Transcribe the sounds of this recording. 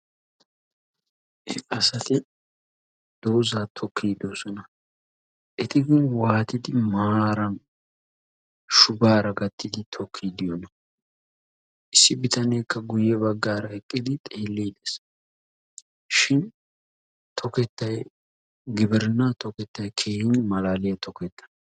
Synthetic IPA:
ʔɛɐsɐt̪ɪ | d̪̥oːzaːt̪ʰɔkʰːiːd̪osɔnɐ | ʔɛt̪ɪɡɪnwaːt̪ɪd̪ɪmaaːɾɐn | ʃʊbaːɾɐɡɐt̪ʰːɪd̪ɪt̪ʰɔkʰːiːd̪ɪjɔnɐ | ʔɪsːɪbɪt̪ɐneːkːɐɡʊjːɛbɐɡːaːɾɐɛkʼːɪd̪ɪt̪ʼeːlːiːd̪es | ʃɪn | t̪ʰɔkɛt̪ːɐj | ɡɪbɛɾnːat̪ɔkɛt̪ːɐjkʰeːhɪnmɐlaːlɪjɐt̪ʰɔkɛt̪ːɐ̥

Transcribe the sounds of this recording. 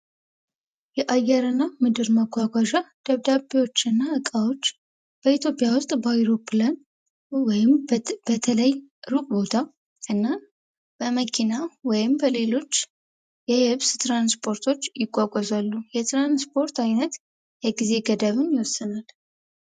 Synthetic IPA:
jɛʔajːɛɾɨnːamɨd̪ɨɾməɡʷwaɡʷaʒad̪̥əβd̪abiwo̞t͡ʃːɨnːaɨkʼawo̞t͡ʃː | b̥əit̪ʰjo̞pʼjawʊst̪ʼbajiɾo̞pʰlan | wɔjɪmb̥ət̪ʰələjɾukʼbo̞t̪ʰa | ʔɨnːa | b̥əməkʰinawɔjɪmbəle̞lo̞t͡ʃː | jɛhɨβst̪ɾanspʰo̞ɾt̪ʰo̞t͡ʃːjɪɡʷʼaɡʷʼɔzalːujɛt̪ɾanspʰo̞ɾt̪ʰajnət̪ | jɛɡize̞ɡəd̪əβɨnjɪwɔsːɨnal

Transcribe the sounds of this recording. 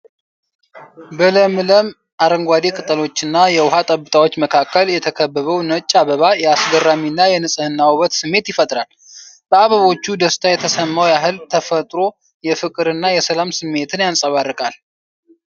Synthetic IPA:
bɨləmɨləm | ʔaɾəŋɡʷad̪ekʼɨt̪ʼəlo̞t͡ʃːɨnːajɛwʊhat̪ʼəbɨt̪ʰʼawo̞t͡ʃːməkʰakːəljɛt̪ʰəkʰəbːəβəwnət͡ʃʼːaβəβajɛasɡərːaminːajɛnɨsʼɨhɨnːawuβət̪sɨmːe̞t̪jɪfət̪ʼɾal | b̥əaβəβo̞t͡ʃːud̪əst̪ʰajɛt̪ʰəsəmːawjaɦɨlt̪ʰəfət̪ʼɾo̞ | jɛfɨkʼɨɾɨnːajɛsəlamsɨmːe̞t̪ʰɨnjansʼəβarːəkʼal

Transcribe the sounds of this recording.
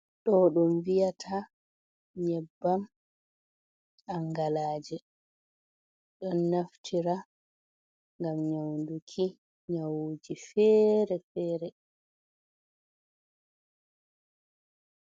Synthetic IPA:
ɗɔɗɔmvijatʰa | ɲɛbːam | aŋɡalaːd͡ʒɛ | ɗɔnːaftʰiɾa | ŋɡamɲawndukʰi | ɲawud͡ʒifɛɾɛfɛːɾɛ

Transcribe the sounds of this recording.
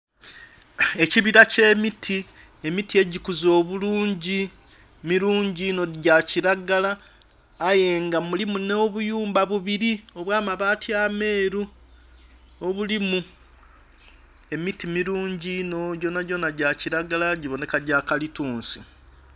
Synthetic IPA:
e̞ciβiɾace̞ːmitʰi | e̞mitie̞ɟikuzo̞ːβuluːɲɟi | miɾuːɲɟino̞ɟaciɾaɡalaː | je̞ːŋɡamulimuno̞ːβujuːmbaβuβiɾio̞βwaːmaβaːtiame̞ːɾu | o̞βulimu | e̞mitimiɾuːɲɟinoɟo̞naɟo̞naɟaciɾaɡalaɟiβo̞ne̞kaɟakalituːnsi

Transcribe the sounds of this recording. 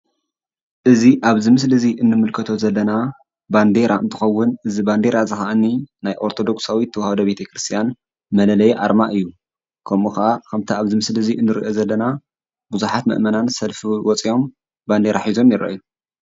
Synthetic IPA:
ʔɨziʔaβzɨmɨslɨziʔɨnːɨmɨlkʰɐt̪ʰo̞zɐlːɐna | band̪e̞ɾaɨ̰nt̪ʰɨ̥xɐwːʊnɨziband̪e̞ɾazɨxaʔanːinajʔo̞ɾt̪ʰo̞d̪o̞ksawit̪ʰːɐwhɐd̪obe̞t̪ʰɐkɾɨst̪ʰijan | mɐlɐlɐjʔa̰ɾmaʔɨjːu | kʰɐmuxaʔakʰɐmt̪ʰiaβzɨmɨslɨziʔɨnːɨɾḭʔo̞zɐlːɐna | buzuħat̪mɐ̰ʔmɐnansɐlfiwɔt͡sʼio̞m | band̪e̞ɾaħizo̞mjɪɾɐ̰ʔju

